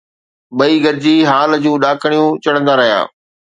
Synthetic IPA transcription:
ɓɐiːɡɐɾɪd͡ʑiːɦaːləd͡ʑũːɗaːkʰəɽ̃ijũt͡ɕɐɽə̃nd̪aːɾɐɦija̰ː

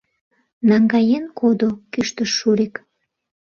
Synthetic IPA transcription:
nɑŋɡɑjenkʰod̪okyʃt̪əʃːuɾek

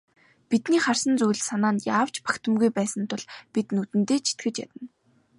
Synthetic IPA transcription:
pit̪niːχar̥sə̆nt͡sujɮsanaːnjaːw̥t͡ɕpḁkt̪ə̆mɡujpæːsə̆nt̪ʰʊɮpit̪nut̪ɘ̆nt̪eːt͡ɕʰi̥t̪ɡɘ̆t͡ɕja̰t̪ə̆n

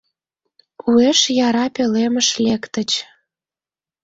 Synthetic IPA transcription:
kʰueʃjɑɾɑpeleməʃlekt̪ət͡ɕ

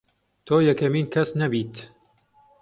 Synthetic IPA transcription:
t̪ʰoːjɐkɐmiːnkʰɐsnɐbiːt̪

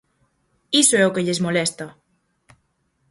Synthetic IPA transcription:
isoɛokeʎezmolɛst̪ɐ

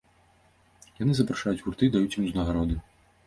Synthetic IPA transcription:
janɨzɐpɾaʂajut͡sʲɣurt̪ɨd̪ajut͡sʲjimznɐɣaɾɔd̪ɨ

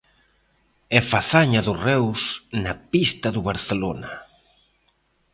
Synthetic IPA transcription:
ɛfaθaɲɐðʊrɛwsnɐpist̪ɐðʊβaɾθelonɐ̰

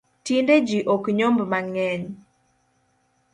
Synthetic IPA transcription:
tinded͡ʒiʔɔkɲombmaŋɛɲ

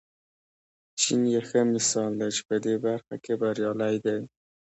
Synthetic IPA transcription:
t͡ʃinjexəmɪsɑld̪at͡ʃi̥pəd̪ebaɾxakebaɾjɑlajd̪aj

